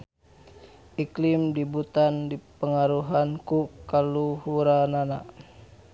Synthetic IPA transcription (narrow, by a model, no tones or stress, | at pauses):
ʔiklɪmdibut̪andipəŋaɾuɦankukaluhuɾanana